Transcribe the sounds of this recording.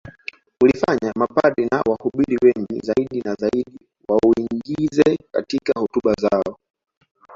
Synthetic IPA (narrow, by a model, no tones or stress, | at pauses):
ulifaɲamapaɗɛnawahuɓiɾiwɛŋɡḭzaiɗinazaiɗi | wauiŋɡizɛka̰tikahɔtuɓazaɔ